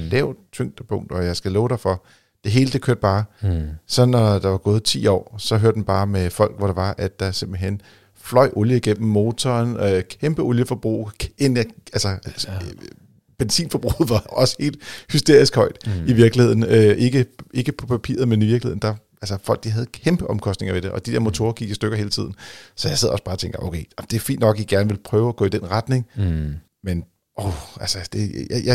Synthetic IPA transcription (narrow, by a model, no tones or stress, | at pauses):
lɛʊ̰t͡sʰøŋ̰d̥əpʰɔ̽ŋ̰d̥ɒ̽jɑ̈ɪsɡ̥ælɔːʊɾ̥ɑfɒ̽ | d̥e̝ɦe̝ːləd̥e̝kʰøɐd̥̚b̥ɑ̈ːsɒ̽nɒd̥ɑ̈ʋɑ̈ɡ̥ɔ̽ːð̞̩ˠt͡sʰḭːɒ̰ːsɒ̽ɦøɐ̰d̥mnb̥ɑ̈ːmefɒ̽l̰ɡ̥ʋɒɾ̥ɑ̈ʋɑ̈ʔæd̥ːɑ̈se̝mb̥l̩ɦen̰ | flɒ̽ɪ̰ʔoljəiɡ̥em̰m̩ːo̝ːt͡sʰɒːnkʰemb̥əoljəfɒ̽b̥ʁṵːenæælsə | b̥ensḭːnfɒb̥ʁṵːðˠʋɑ̈ɒ̽sə̥he̝̰ːld̥hysd̥e̝ɐ̰isɡ̥hɒ̽ɪ̰d̥iʋiɐɡ̥lihe̝ð̞̰ˠn̩øʔe̝ɡ̥əe̝ɡ̥əpʰɒ̽pʰæpʰḭːɐð̩ˠmeniʋiɐɡ̥lihe̝ð̰ˠn̩d̥ɑ | ælsɐfɒ̽l̰ɡ̥̚d̥iɦɛð̞ˠkʰemb̥əʔɒ̽mkʰɒ̽sd̥ne̝ŋɐʋe̝ɾ̥e̝ʔɒ̽d̥id̥eɐ̰mo̝t͡sʰo̝̰ːɐɡ̥iɡ̥isd̥øɡ̥ɐɦe̝ːlət͡sʰið̞̰ˠn̩sɒ̽jaɪsḛð̰ˠɒ̽sb̥ɑ̈ːt͡sʰeŋɡ̥ɐʔo̰kʰḛɪɒd̥e̝æɐfḭːnd̥nɒ̽ɡ̥iɡ̥æɐnəʋe̝lpʰʁœːʊæɡ̥ɔ̰ːid̥enʁad̥ne̝ŋ | men | ʔoælsɐd̥e̝jja